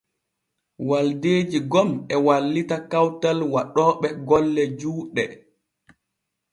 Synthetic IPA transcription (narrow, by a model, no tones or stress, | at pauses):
waldeːd͡ʒiɡɔmɛwalːitakawtalwaɗɔːɓɛɡɔlːɛd͡ʒuːɗɛ